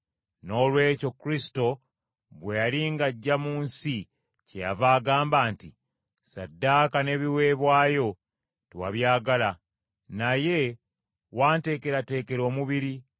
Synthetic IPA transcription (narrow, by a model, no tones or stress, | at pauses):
no̞ːlwe̞ːco̞kːɾisi̥to̞ | βwe̞jaliŋɡaɟːamuːnsi | ce̞javaːɡaːmbaːnti | sadːakane̞ːβiwe̞ːβwaːjo̞ | tewa̰βjaːɡala | naje̞ | waːnte̞ːke̞ɾate̞ːke̞ɾo̞ːmuβiɾi